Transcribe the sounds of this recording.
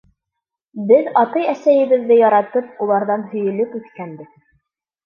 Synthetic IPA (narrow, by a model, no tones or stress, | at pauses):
bɘðɑt̪ɤjæsæjɘ̆βɘ̆ðːɘjɑɾɑt̪ɤp̚ulˠɑɾðɑnhɵ̆jɵ̆lɵpʉθkænd̪ɘ